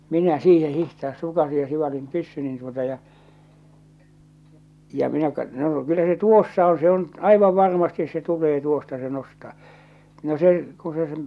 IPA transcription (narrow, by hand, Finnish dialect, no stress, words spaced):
minæ siːhe hihtɑːs sukɑsij jɑ siʋɑlim pysːynin tuotɑ jɑ jɑ minæ kɑt noː kylːæ se tuosːɑ õː se on ɑiʋɑʋ ʋɑrmɑstis se tulˑeː tuostɑ se nostɑː no se ku se s̆ĕm